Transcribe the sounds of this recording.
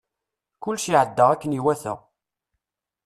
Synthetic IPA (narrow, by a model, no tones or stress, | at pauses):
kʊlːʃiʕəd̪ːəʁækːəniwæθə̰ʁ